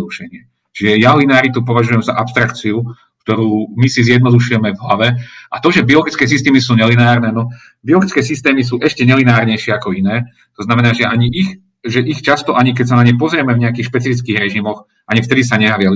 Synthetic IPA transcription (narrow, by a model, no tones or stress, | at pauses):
d̪uʃɛɲɪɛ | t͡ʃiʒɛjalinaːɾit̪up̬ɔʋaʒujɛmza̰ʔapst̪ɾakt͡siu | k̚t̪ɔɾuːmisizjɛd̪nɔd̪uʃujɛmɛvɦlaʋɛʔat̪ɔʒɛbiɔlɔɡit͡skɛːsist̪ɛːmisuːɲɛlinaːɾnɛːnɔ | biɔlɡit͡skɛːsist̪ɛːmis̬uːʔɛʃcɛɲɛlinaːɾɲɛjʃɪɛakɔinɛː | t̪ɔznamɛnaːʒɛʔaɲiʔix | ʒɛʔixt͡ʃast̪ɔʔaɲik̬ɛcs̬anaɲɛjpɔzɾɪɛmɛvɲɛakiːxʃpɛt͡sifit͡skiːɣɾɛʒimɔx | ʔaɲift̪ɛd̪isaɲɛɦaʋɪɛli